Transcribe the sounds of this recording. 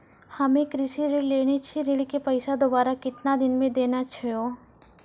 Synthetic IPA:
hɐmẽkɾɪʃiɾɪɽleːɽ̃et͡ʃʰiɾɪɽkepɐɪsad̪oːbaːɾakɪt̪nad̪ɪnmẽd̪eːnat͡ʃʰɐjoː

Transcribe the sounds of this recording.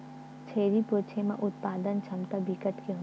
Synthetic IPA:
t͡ʃʰeːɾipɾoːt͡ʃʰemã̰ʔʊt̪̚paːd̪ənt͡ʃʰɐmt̪abikəʈkeɦo

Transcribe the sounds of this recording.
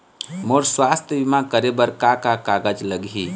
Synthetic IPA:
moɾswast̪ʰjəbimãkəɾebəɾkakakaɡəd͡ʒləɡɦi

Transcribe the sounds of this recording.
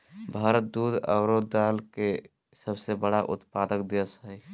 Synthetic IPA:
bʱaːɾət̪̚d̪ud̪ʱə̰ːɾod̪aːlke | səbsebəɽaʔʊ̰t̪paːd̪əkd̪ejəsɦɛj

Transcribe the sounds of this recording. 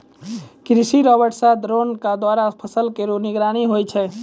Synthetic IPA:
kɾisiɾɔbəʈsad̪ɾonkad̪waɾapʰəsəlkeɾunɪɡɾaːniɦojt͡ʃʰɛ

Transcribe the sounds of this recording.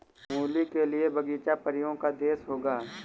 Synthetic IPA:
mũːlikeliebəɡiːt͡ʃapəɾɪjõkad̪eːsɦoːɡaː

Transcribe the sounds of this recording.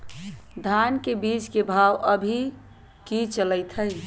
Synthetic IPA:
d̪ʱankebit͡ʃkebʱawʔəbʱi | kit͡ʃələɪt̪ʰəɪ

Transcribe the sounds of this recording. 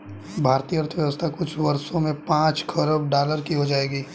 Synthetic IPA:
bʱaːɾt̪iːjəɾt̪ʰʋjəʋəst̪ʰakʊt͡ʃʰʋɐɾsõmẽpãːt͡ʃkʰəɾəb̚ɖaːləɾkiɦod͡ʒaːeːɡiː

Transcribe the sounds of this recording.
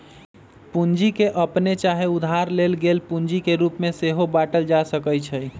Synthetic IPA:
pund͡ʒikeʔəpnet͡ʃaɦeud̪ʱaɾlelɡelpund͡ʒikeɾupmeseɦobaʈəld͡ʒasəkəjt͡ʃʰəj

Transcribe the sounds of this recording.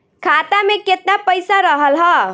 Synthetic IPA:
kʰat̪ameket̪napəjsaɾəɦəlɦə

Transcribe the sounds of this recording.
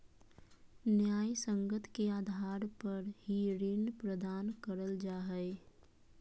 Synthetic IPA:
njaːjsə̃ŋɡət̪ʰkeaːd̪ʱaːɾpəɾhiɾɪnpɾəd̪aːnkəɾəld͡ʒaːɦɛɪ

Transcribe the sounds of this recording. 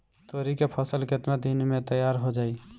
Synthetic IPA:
t̪oɾikepʰəsəlket̪nad̪inmẽt̪əjaːɾɦod͡ʒaːi

